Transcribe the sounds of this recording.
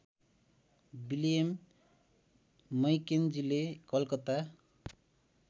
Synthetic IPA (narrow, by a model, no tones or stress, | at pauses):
biliem | ʌjkend͡zilekʌlkʌt̪a